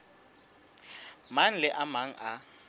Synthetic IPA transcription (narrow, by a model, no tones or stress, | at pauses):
man̩lɪʔamaŋ̩ʔa